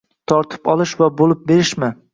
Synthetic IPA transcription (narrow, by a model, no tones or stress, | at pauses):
t̪ʰɒɾt̪ʰɪ̥pɒlˠɪʃvabolɪp̚be̞ɾɪʃmɪ